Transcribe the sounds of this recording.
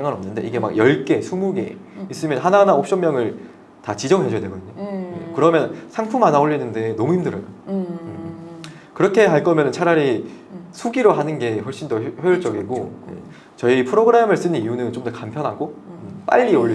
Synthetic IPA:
ŋɡanʌmnɯnde̞̰iɡe̞ma̰k̚jʌɭk͈e̞sʰumuɡe̞̰is͈ɯmjʌnɦananaop̚ɕ͈ʌmːjʌŋɯɭ | tat͡ɕid͡ʑʌŋɦed͡ʑʌdwe̞ɡʌdɯɲojekɯɾʌmjʌnsʰaŋpʰumanaoʎːinɯnde̞nʌmuhimdɯɾʌjoɯ | kɯɾʌkʰe̞ɦaɭk͈ʌmjʌnɯnt͡ɕʰaɾaɾi | sʰuɡiɾoɦanɯnɡe̞hwʌɭɕ͈indʌhjojɯɭt͡ɕ͈ʌɡiɡojḛ | t͡ɕʌipʰɯɾoɡɯɾe̞mɯɭs͈ɯnɯniunɯnt͡ɕomdʌkampʰjʌnɦaɡoɯp͈a̰ʎːioʎː

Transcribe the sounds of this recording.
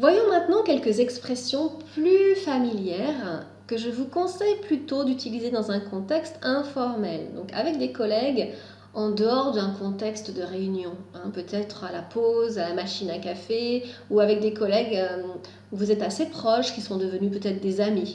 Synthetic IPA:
vwajɔ̃mɛ̃t̪nɑ̃kʲɛlkəzɛkspχesjɔ̃plyfamiljɛʁ | kəʒəvukɔ̃sɛjplyt̪od̪yt̪ilized̪ɑ̃zɛ̃kɔ̃t̪ɛkst̪ɛ̃fɔʁmɛld̪ɔ̃ka̰vɛk̚d̪ekɔlɛɡ | ɑ̃d̪əɔʁd̪ɛ̃kɔ̃t̪ɛkst̪d̪əʁeynjɔ̃ɛ̃pøt̪ʰɛt̪χalapozalamaʃinakafeuavɛk̚d̪ekɔlɛɡø | uvuzɛt̪asepχɔʃkʲisɔ̃d̪əvənypøt̪ɛt̪χd̪ezami

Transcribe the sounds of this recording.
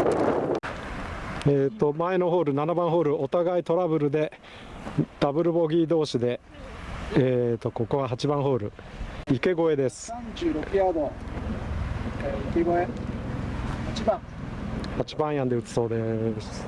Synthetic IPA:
eːt̪ːo̞mae̞no̞ɦo̞ːɾɯ̟nanabãɰ̃ɦo̞ːɾɯ̟o̞t̪aɡait̪o̞ɾabɯ̟ɾɯ̟d̪e̞ | d̪̥abɯ̟ɾɯ̟bo̞ɡʲiːd̪o̞ːɕid̪e̞ | eːt̪o̞ko̞ko̞βaɦat͡ɕibãɰ̃ɦo̞ːɾɯ̟ike̞ɡo̞e̞d̪e̞sɨ̥ãɲd͡ʑɨːɾokɯjad̪o | ikeɡoe | at͡ɕibã | hat͡ɕi̥bãɰ̃jãnd̪e̞ɯ̟t͡sɨ̥so̞ːd̪e̞sɨ̥

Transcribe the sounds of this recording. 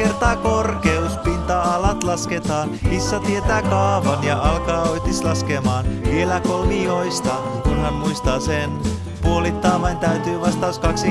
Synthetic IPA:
ert̪ɑːkorkeuspint̪ɑɑlɑt̪lɑsket̪ɑːnisːɑt̪iet̪æːkɑːʋɑnjɑʔɑlkɑːoit̪islɑskemɑːnʋielækolmioist̪ɑ | kunhæmmuist̪ɑːsen | puolit̪ːɑːmɑint̪æyt̪yːʋɑst̪ɑːskɑksi

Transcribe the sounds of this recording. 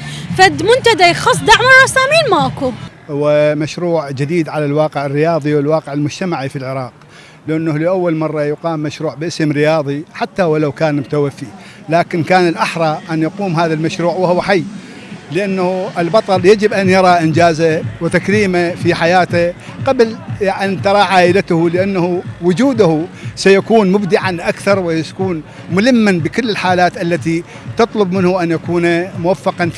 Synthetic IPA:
fad̪mʊnt̪ad̪axɑsˤd̪aʕmaɾˤasaːmiːnmaku | ʊwamaʃɾuːʕd͡ʒɪd̪iːd̪ʕalalwɑːqəʕɪrːɪjɑːðˤiwɪlwɑːqɪʕɪlmʊd͡ʒt̪amaʕifilʕɪɾˤɑːq̚ | lɪʔanːahliʔawːalmɑrˤːɑjʊqɑːmːaʃɾuːʕbʔɪsəmɾɪjɑːðˤiħat̪ːawlawkaːnmʊt̪awafːi | laːkɪnkaːnɪlʔaħɾˤɑʔanjaquːmɦaːðalmaʃɾuːʕwahʊwːaħajː | lɪʔanːahuʔɪlbɑt̪ˤɑɾjad͡ʒɪbʔanjɑɾˤɑʔɪnd͡ʒaːzawɪt̪akɾiːmafiħajaːt̪aqablʔant̪ɑɾˤɑʕaːʔɪlat̪hulɪʔanːahuwʊd͡ʒuːd̪ʊhusajakuːnmʊbd̪ɪʕanʔakθɑɾˤwɪaakuːn | mʊlɪmːanbɪkɪlːɪlħaːlaːt̪ʔalːat̪i | t̪ɨt̪ˤlʊbmɪnhuʔanjakuːnamʊwafːɑqɑn

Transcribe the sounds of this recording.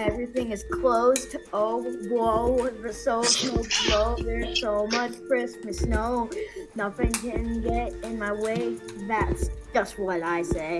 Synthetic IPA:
ɛvɹiθɪ̃ŋɨz̥kʰl̥oʊztʰoʊwɔlˠwðɨsoʊkʰoʊzboʊðə˞soʊmʌt͡ʃkʰɹ̥ɪsmɨsnoʊnʌʊθɪ̃ŋkʰɨ̃nɡɛɾɪ̃nmaɪweɪðætsd̥ʒ̥ʌst̚wʌɾaɪseɪ

